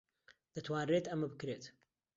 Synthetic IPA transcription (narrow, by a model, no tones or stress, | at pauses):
d̪̥ɐt̪ʰwaːnreːt̪ɐmɐbɨkɾeːt̪